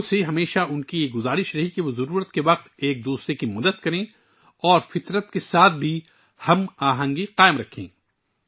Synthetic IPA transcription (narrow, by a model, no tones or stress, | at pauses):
seɦɐmeːʃaʊnkijeɡʊzaːɾɪʃɾɐɦikeʋozɐɾuːɾət̪keʋɐq̚t̪eːk̚d̪uːsɾekimɐd̪ət̪kɐɾẽ | ɔːɾfɪt̪ɾət̪kesaːt̪̚ʰbʱi | hɐmaːɦə̃ŋɡiqaːɪmɾɐkʰḛ̃ː